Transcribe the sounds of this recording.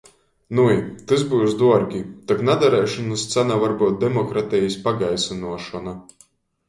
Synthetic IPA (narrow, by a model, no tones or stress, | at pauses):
nuit̪ɨzbujsd̪uɔɾɡʲit̪aknad̪aɾɛjʃɔnɨst̪sænavaɾbuːt̪̚d̪ɛmɔkɾat̪ɛjispaɡajsanuɔʃɔna